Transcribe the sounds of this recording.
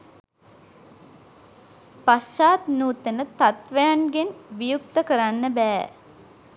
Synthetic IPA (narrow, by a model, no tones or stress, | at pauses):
past͡ʃaːt̪nuːt̪ənət̪at̪ʋəjanɡenʋijuk̚t̪əkəɾanːəbæː